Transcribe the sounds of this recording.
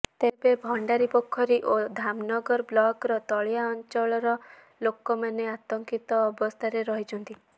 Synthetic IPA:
t̪ebebʱɔɳɖaɾipokʰːɔɾiʔod̪ʱamnɔɡɔɾblɔkɾɔt̪ɔɭjaɔnt͡ʃɔɭɔɾɔ | lokɔmaneat̪ɔŋkit̪ɔːbɔst̪ʰaɾeɾɔɦit͡ʃʰɔnt̪i

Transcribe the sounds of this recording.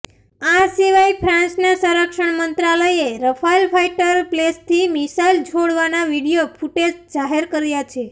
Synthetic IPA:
asiʋajpʰɾãnsnasəɾəkʃəɳmənt̪ɾaləjeɾəpʰailpʰaiʈəɾplest̪ʰimisajld͡ʒoɽʋanaʋiɽijopʰuʈesd͡ʒaɦeɾkəɾjat͡ʃʰe

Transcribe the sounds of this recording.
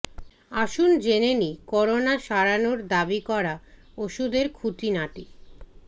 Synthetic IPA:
aʃund͡ʑenenikɔɾonaʃaɾanoɾd̪abikɔɾa | oʃud̪eɾkʰut̪inaʈi

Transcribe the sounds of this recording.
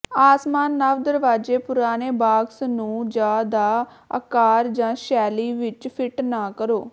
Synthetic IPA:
aːsmaːnːaʋd̪əɾʋaːd͡ʒeːpʊɾaːneːbaːɡsnũːd͡ʒaːd̪aː | ə̰kaːɾd͡ʒãːʃɛːliːʋɪt͡ʃpʰɪʈnaːkəɾoː

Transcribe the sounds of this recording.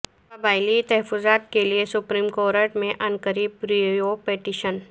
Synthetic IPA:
pɐbaːɪlit̪ɛɦəfʊzaːt̪keliesʊpɾiːmkoːɾəʈmẽʔɐnkəɾiːb̚ɾiopeːʈiːʃən

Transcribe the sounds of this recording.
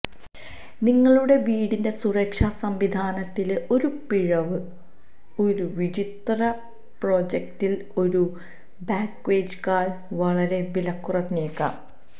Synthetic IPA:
niŋːɐɭuɽe̞ʋiːɽinde̞surɐkʂɐsɐmʋid̪ʱaːnɐt̪ːileʔo̞ɾupiɻɐʋɨ | o̞ɾuʋid͡ʑit̪rɐ | pro̞ːd͡ʑektil | o̞ɾu | baːkːʋe̞ːd͡ʑkaːɭ | ʋɐɭɐɾe̞ʋilɐkːurɐt̪ɲeːkːa̰ː

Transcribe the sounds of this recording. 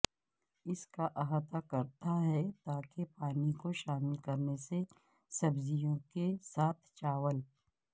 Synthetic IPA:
ɪskaʔɐɦat̪akɐɾt̪aɦɛt̪aːkepaːnikoʃaːmɪlkɐɾnese | sɐbzijõkesaːt̪ʰt͡ʃaːʋəl

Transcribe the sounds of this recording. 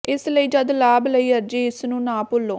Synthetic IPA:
ɪsləiːd͡ʒəd̪laːbləiːəɾd͡ʒiːɪsnũːnaːpʊlːõː

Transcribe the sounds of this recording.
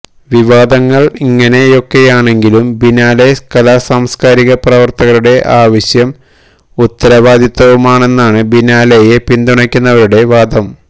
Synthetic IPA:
ʋiʋaːd̪ɐŋːɐɭiŋːɐne̞jo̞kːe̞jaːɳe̞ŋɡilumbinaːlejskɐlaːsaːmskaːɾiɣɐprɐʋɐrt̪ɐɣɐɾuɽe̞ʔaːʋɐɕjɐm | ut̪ːɐɾɐʋaːd̪jit̪ːɐʋumaːɳe̞nːaːɳɨbinaːlejepind̪uɳɐkʲːunːɐʋɐɾuɽe̞ʋaːd̪ʱɐm

